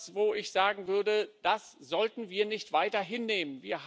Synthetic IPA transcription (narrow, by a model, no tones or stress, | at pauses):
svoːɪçz̥aːɡŋ̩vʏɐdəd̥aszɔltn̩viːɐnɪçtv̥aɪtɐɦɪnːeːmənviːɐɦ